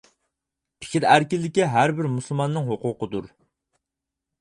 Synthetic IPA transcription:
pʰɪ̥kʲiɾæɾkʲɪlːɪkʲiɦæɾbɪɾmuslˠmɑnːɨŋɦoqʊːqəd̪uɾ

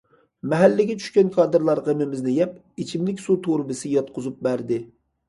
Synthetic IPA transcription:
mɛɦælːɪɡʲɛt͡ʃʰy̥ʃkʲɛnkʰɑːd̪ɨɾlˠɑɾʁemɪmɪznɪjɛp̚ | it͡ʃʰimlɪkʲsut̪ʰoɾbɨsɪjɑt̪qʰʊzup̚bæɾd̪ɪ

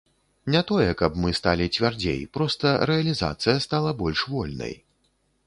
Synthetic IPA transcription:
nʲat̪ɔjɛkɐbmɨst̪alʲit͡sʲvʲard͡zʲḛjpɾɔst̪ɐɾɛɐlʲiza̰t̪sɨjɐst̪alˠɐbɔlʲʂvɔlʲnɐ̰j

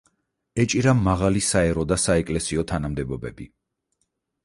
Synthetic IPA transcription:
ɛt͡ʃʼiɾamːaʁalisaɛɾɔd̪asaɛkʼlɛsiɔt̪ʰanamd̪ɛbɔbɛbi

